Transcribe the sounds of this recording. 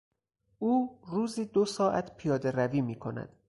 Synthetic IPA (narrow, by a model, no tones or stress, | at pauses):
ʔuːruːziːd̪osɒːʔæt̪ʰpʰijɒːd̪eɾæviːmiːkʰo̞næ̰d̪̥